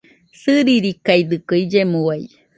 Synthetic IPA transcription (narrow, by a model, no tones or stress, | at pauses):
sɨɾiɾikajd̪ɨkɯid͡ʒemuwaj